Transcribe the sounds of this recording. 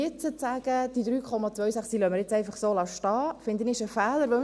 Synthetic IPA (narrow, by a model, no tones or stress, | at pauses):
ɪt͡sət͡sæɡ̥əd̥id̥̪ɾyːkʰɔmɑt͡sʋœɥsæχsilœməɾjɛt͡sɛɪfɑχsoːlɑʃtɑːfɪnd̪ənɪɪʃəfɛːləɾʋəm